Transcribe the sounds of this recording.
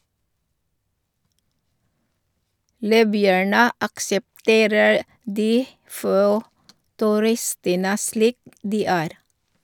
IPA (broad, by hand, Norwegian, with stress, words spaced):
ˈliːbʏæɳə ɑksɛpˈteːɾəɾ ˈdiː ˈfoː tʉˈɾɪstənə ˈsliːk ˈdiː ˈæːɾ